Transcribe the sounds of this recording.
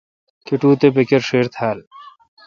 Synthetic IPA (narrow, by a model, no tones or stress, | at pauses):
keʈuːt̪ebekeɾʃeɾt̪ʰɛːl